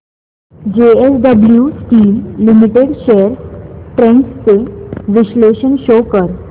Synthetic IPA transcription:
d͡ʑeesɖəbljusʈiːlːimiʈeɽɕeəɾʈɾẽŋkst͡seʋiɕleɕənɕokəɾ

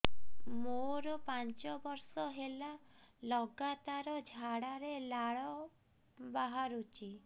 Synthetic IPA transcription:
moɾɔpant͡ʃɔbɔɾsɔɦela | lɔɡat̪aɾɔd͡ʒʱaɽaɾelaɭɔ | baɦaɾut͡ʃʰi

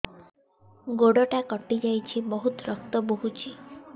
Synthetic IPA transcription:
ɡoɽɔʈakɔʈid͡ʒajt͡ʃʰibɔɦut̪ɾɔk̚t̪ɔboɦut͡ʃʰi

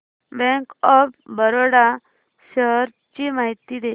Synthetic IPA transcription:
bɛ̃ŋkɔpbəɾoɽa | ɕəɦɾ | t͡ɕimaɦit̪ːid̪e

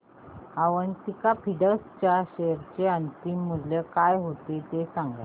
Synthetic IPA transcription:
aʋənt̪ikapʰiɖəɾst͡ɕjaɕejɾt͡ɕeənt̪imːəd̪ljəkajɦot̪et̪esaŋɡla̰

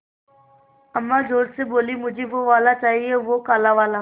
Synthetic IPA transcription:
əmːad͡ʒʱoːɾseboːlimʊd͡ʒʱeʋoʋaːlat͡ʃaːɦieʋokaːlaʋaːlaː

